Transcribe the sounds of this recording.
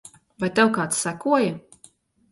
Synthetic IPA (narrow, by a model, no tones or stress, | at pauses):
vajt̪ɛwkaːt̪ssakuɔja